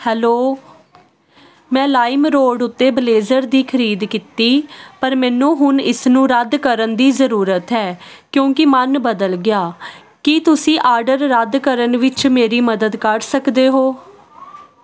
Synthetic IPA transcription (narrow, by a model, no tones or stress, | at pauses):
hɛːloː | mɛ̃ːlaːɪmɾoːɖʊt̪ːeːbəleːzəɾd̪iːkʰəɾiːd̪kit̪iːpəɾmɛːnũːɦʊnɪsnũːɾəd̪kəɾənd̪iːzəɾuːɾət̪ɦɛːkjõːkɪmənbəd̪əlɡɪjaː | kit̪ʊsĩːʔaːɾɖəɾːəd̪kəɾənʋɪt͡ʃmeːɾiːməd̪əd̪kəɾsəkd̪eːɦoː